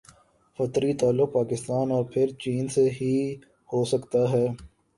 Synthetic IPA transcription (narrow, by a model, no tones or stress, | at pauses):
fɐt̪ɾit̪aːlːʊk̚paːkɪst̪aːnɔːɾpʰɪɾt͡ʃiːnseɦi | hoːsɐkt̪aɦɛː